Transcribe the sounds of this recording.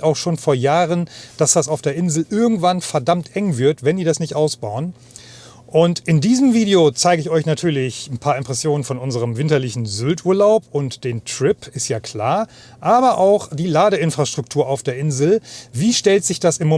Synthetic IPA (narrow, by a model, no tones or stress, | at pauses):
ʔaʊxʃoːnfoːɐjaːʁənd̥asd̥asaʊfd̥eːɐʔɪnzl̩ʔɪɐɡŋ̩tv̥anfɛɐdamtʔɛŋvɪɐtvɛndiːɐdasnɪçtʔaʊsb̥aʊən | ʔʊntɪndiːzəmviːdejot͡saɪɡəɪçɔʏçnatʰyːɐlɪçn̩pʰaːɐɪmpʁ̥ɛsjoːnənfɔnʔʊnzəʁ̞əmvɪntɐlɪçn̩zʏltʔuːɐlaʊpʊntd̥eːntʁ̥ɪpɪstjaːkʰl̥aːɐ | ʔaːbɐʔaʊxd̥iːlaːɾəɪnfʁ̥aʃtʁ̥ʊk̚tʰuːɐʔaʊfd̥eːɐʔɪnzl̩viːʃtɛltz̥ɪçd̥asɪmːo